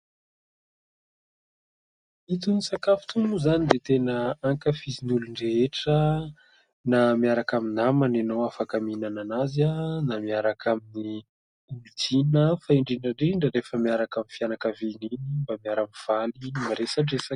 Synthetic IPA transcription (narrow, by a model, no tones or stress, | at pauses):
it̪unisakafu̥t̪umuzanid̪et̪enəaŋkəfizinuluɳɖ͡ʐeeʈ͡ʂə | namiaɾakaminamananowafakaminananazanamiaɾakʰamini | ultinəfaiɳɖ͡ʐiɳɖ͡ʐaɳɖ͡ʐiɳɖ͡ʐəɾefəmiaɾakaminfianakavininimbamiaɾamiv̥alimaɾesaʈ͡ʂesa